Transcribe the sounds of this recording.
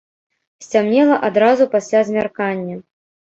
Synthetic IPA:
sʲt͡sʲamnʲɛlˠɐʔad̪ɾazupasʲlʲazʲmʲarkanʲːɐ

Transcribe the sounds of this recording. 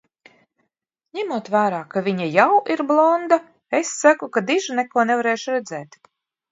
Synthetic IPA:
ɲʲɛmuɔt̪væːɾaːkavʲiɲajawʔiɾblˠɔnd̪a | esːakukad̪iʒunɛkuɔnɛvaɾeːʃuɾɛd̪zɛːt̪

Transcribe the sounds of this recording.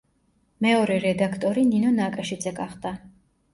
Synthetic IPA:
mɛɔɾɛɾɛd̪akʰt̪ʼɔɾininɔnaːkʼaʃid̪zɛɡaχd̪a

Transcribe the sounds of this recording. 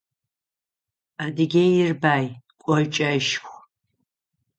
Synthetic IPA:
adɨɡʲejɪrbaːjkʷʼɔjt͡ʃʼɐʃχʷ

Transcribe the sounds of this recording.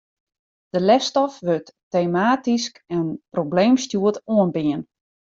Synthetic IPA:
d̥əlɛfstɔfʋøtː | emaːtiskɛnprobleːmstjuətoənbiən

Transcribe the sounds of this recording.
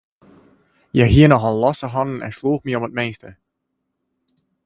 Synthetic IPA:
jɛjɦiənɔχəlɔsəɦɔnənɛ̰nsluːχməomət̚mestə

